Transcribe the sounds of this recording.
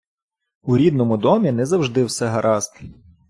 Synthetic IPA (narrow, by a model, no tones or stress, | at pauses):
uɾʲid̪̚nɔmʊd̪ɔmʲinɛzɐwʒd̪ɪwsɛɦɐɾʔɑst̪ɪ̥